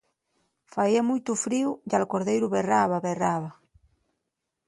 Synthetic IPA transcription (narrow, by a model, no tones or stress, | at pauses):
faiamujt̪ufɾiwʎalkoɾðejɾʊβeraβaβeraβa